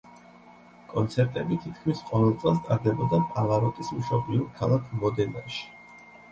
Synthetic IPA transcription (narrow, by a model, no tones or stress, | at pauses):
kʼɔnt̪sʰɛɾt̪ʼɛbit̪ʰit̪ʰkʰmisqʼɔvɛlˠt̪sʼɛlˠst̪ʼaɾd̪ɛbɔd̪apʼalˠaɾɔt̪ʼismʃɔbliuɾkʰalˠakʰmɔd̪ɛna̰ʃi̥